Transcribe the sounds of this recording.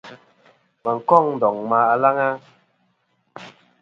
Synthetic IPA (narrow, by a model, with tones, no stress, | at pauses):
ma˨ŋ̩˨kɔ˦˨ŋn̩˨dɔ˨ŋma˨˦a˨la˦ŋa˦